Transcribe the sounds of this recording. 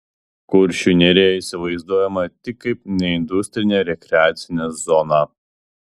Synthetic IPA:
kʊɾʲʃʲunʲɛɾʲeːjɛisʲɪʋɐɪzd̪uɔjɛmɐt̪ʲɪkːɐɪpnʲɛɪnd̪ʊsʲt̪ʲɾʲɪnʲeːɾʲɛkʲɾʲɛaːt̪sʲɪnʲezɔnɑː

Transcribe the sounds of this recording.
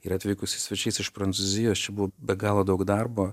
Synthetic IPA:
ɪɾɐt̪ʲʋʲiːkʊsʲɪsʲʋʲɛt͡ʃʲɛɪsɪʃpɾɐnt̪suːzʲɪjoːst͡ʃʲɛbʊʋoːbʲɛɡɑːlˠoːd̪ɐʊkd̪ɐrboː

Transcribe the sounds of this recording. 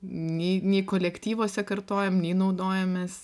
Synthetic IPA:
nʲɛɪnʲɛɪkoːlʲɛkt̪ʲiːʋoːsʲɛkɐrt̪oːjɛmnʲɛɪnɐʊd̪oːjɛmʲɛs

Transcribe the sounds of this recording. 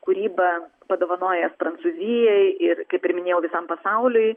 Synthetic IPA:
kʊɾʲiːbɐpɐd̪oːʋɐnoːjɛspɾɐnt̪suzʲɪjɛɪɪɾkɐɪpʲɪɾʲmʲɪnʲeːjɛʊʋʲɪsɐmpɐsɑʊlʲʊɪ

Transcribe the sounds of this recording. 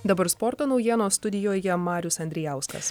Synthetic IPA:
d̪ɐbɐɾspɔɾt̪oːnɒʊjiɛnoːstt̪ʊd̪ʲɪjoːjɛmɑːɾʲʊsɐnʲd̪ʲɾʲɪjæˑʊskɐ̰s

